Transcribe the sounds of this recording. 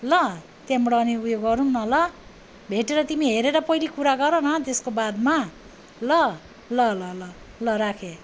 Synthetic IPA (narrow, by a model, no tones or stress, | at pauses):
lʌ | t̪jamɽʌːniujoɡːʌɾunnʌlʌ | bʱeʈeɾʌt̪imiɦeɾeɾʌpʌjlikuɾaɡʌɾʌnʌt̪eskobad̪ma | lʌ | lʌlʌlʌ | lʌɾakʰe